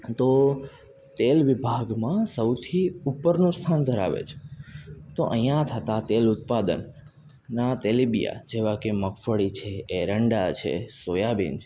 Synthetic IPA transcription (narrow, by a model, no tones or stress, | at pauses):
t̪o | t̪elʋibʱaɡmãsəwt̪ʰiupːəɾnũst̪ʰand̪ʱəɾa̰ʋḛt͡ʃʰe̥ | t̪oʔəɦj̃jãt̪ʰət̪at̪elʊt̪̚pad̪ə̰nː | at̪elibija̰d͡ʒeʋakeməkʰfəɭit͡ʃʰeeɾəɳɖat͡ʃʰḛsojabḭnd͡ʒ